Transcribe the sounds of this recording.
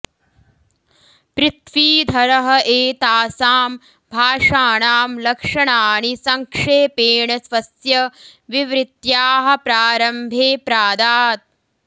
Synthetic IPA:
pɾɪt̪ʋiːd̪ʱɐɾɐɦɐ̆ʔeːt̪aːsaːm | bʱaːʂaːɳaːmlɐkʂɐɳaːnisɐŋkʂeːpeːɳɐsʋɐsjɐʋiʋɾɪt̪jaːɦɐ̆pɾaːɾɐmbʱeːpɾaːd̪aːt̪̚

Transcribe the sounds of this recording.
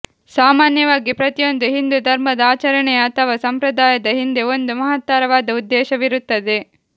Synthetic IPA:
saːmaːnjɐʋaːɡipɾɐt̪ijo̞nd̪uɦind̪ud̪ʱɐɾmɐd̪ɐaːt͡ʃɐɾɐɳɛjɐːt̪ʰɐʋasɐmpɾɐd̪aːjɐd̪ɐɦind̪e̞ond̪umɐɦɐt̪ːaːɾɐʋaːd̪ɐud̪ːɛːʃɐʋiɾut̪ːɐd̪e

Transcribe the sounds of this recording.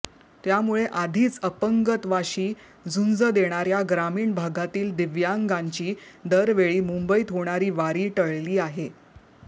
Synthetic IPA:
t̪jamuɭeʔad̪ʱiːt͡səpəŋɡət̪ʋaɕiː | d͡zund͡zəd̪eɽ̃aɾjaɡɾamiːɳbʱaɡat̪iːld̪iʋjaŋɡaɲt͡ɕiːd̪əɾʋeɭiːmumbəit̪ɦoɽ̃aɾiːʋaɾiːʈəɭliːaɦe

